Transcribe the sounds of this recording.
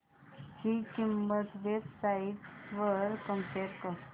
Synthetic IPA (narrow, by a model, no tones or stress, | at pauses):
hikimːət̪ʋebsaiʈʋəɾkə̃mpeɾkəɾ